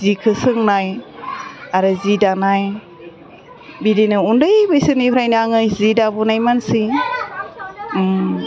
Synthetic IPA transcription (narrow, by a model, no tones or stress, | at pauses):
zikʰɯsɯŋnaj | aɾɯzidanaj | bidinɯundɯjbɯjsɯnipʰɾajnaŋɯjzidabunajmansi